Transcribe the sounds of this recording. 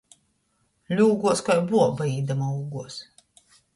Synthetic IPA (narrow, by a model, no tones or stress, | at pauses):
lʲuːɡuɔskajbuɔbaiːd̪amauːɡuɔs